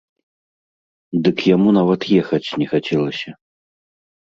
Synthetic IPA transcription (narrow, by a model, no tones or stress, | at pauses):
d̪ɨkjamunavɐt̪jɛxɐt͡sʲnʲɛxat͡sʲɛlˠɐsʲɐ